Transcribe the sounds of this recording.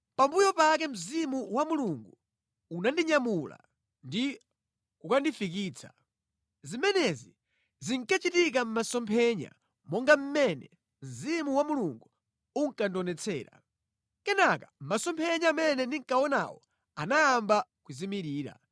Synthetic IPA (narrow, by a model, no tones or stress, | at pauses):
pambujɔpakɛm̩zimuwamuluŋɡuː | nandiɲamula̰ | ndi | kukandifik̬iːt͡sʰḁ | zimɛnɛzi | ziŋkat͡ʃitik̬am̩masɔmpʰɛɲa̰ | mɔŋɡam̩mɛnɛ̰ | m̩zimuwamuluŋɡu | uŋkandɔnɛt͡sʰɛ̰ːɾa̰ | kɛnakam̩masɔmpʰɛɲaːmɛnɛndiŋkawɔna̰wɔ̰ | anajambakuzimiɾiːɾa̰